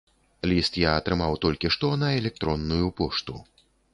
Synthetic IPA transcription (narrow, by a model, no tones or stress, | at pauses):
lʲist̪jaɐt̪ɾɨmawt̪ɔlʲkʲiʂt̪ɔnɐɛlʲɛk̚t̪ɾɔnːujupɔʂt̪u